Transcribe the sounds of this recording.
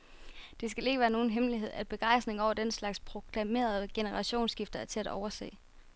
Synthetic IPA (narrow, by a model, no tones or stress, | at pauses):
d̥e̝sɡ̥æle̝ɡ̥əʋæːɐno̝ːn̩ɦemliɦe̝ð̞̰ˠæd̥̚b̥e̝ɡ̥ɑ̈ɪ̰sd̥ne̝ŋɒʊɐd̥en̰slɑ̈ɡ̥spʰʁo̝ɡ̥ʰlæme̝̰ːɐð̩ˠɡ̥e̝nəʁɑ̈ɕo̝̰ːnsɡ̥ifd̥ɐæɐt͡sʰe̝æd̥ɒʊɐse̝̰ː